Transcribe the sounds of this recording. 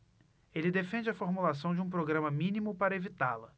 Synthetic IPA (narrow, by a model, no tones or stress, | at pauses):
elɪd̪efẽd͡ʒɪɐfoɾmulas̬ɐ̃w̃d͡ʒɪũpɾoɡɾɐ̃mɐmĩnimʊpaɾɐevit̪alɐ